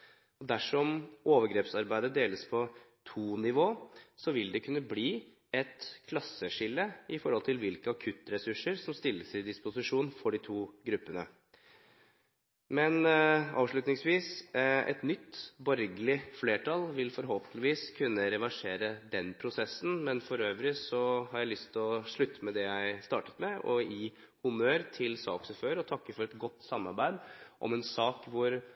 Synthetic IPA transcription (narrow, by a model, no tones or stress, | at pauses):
ɔd̪æʂɔmoːʋəɾɡɾeːpsɑɾbæɪd̪əd̪eːləspʰɔ | t̪ʰuːnɪʋoːsɔʋɪld̪ɛkʰʉnːəbliː | ɛt̪kʰlɑsːəʂɪlːəɪfɔɾhɔlt̪ʰɪlʋɪlkəɑkʰʉt̪ɾɛsʉʂəɾsɔmst̪ɪlːəsɪd̪ɪspʊsɪʂuːnfɔɖɪt̪ʰuːɡɾʉpːənə | mɛnɑ̰ːʋʂɭʉt̪nɪŋsʋiːsʔɛ̰t̪nʏt̪ːbɔɾɡəlɪfleːʈʰɑlʋɪlfɔɾɦoːpənt̪lɪʋiːskʰʉnːəɾɛʋæʂeːɾəd̪ɛnpʰɾʊsɛsːn̩mɛnfɔɾøːʋɾɪsɔɦɑɾjæɪlʏst̪ʰɪlɔʂɭʉt̪ːəmɛd̪ɛjæɪst̪ɑːʈə̥t̪mɛɔiː | hʊmøːɾt̪ʰɪlsɑ̰ːksəføːɾɔt̪ʰɑkːəfɔɾɛt̪ɡɔt̪ːsɑmːɑɾbæɪd̪ʔɔ̰mɛnsɑːkʋʊɾ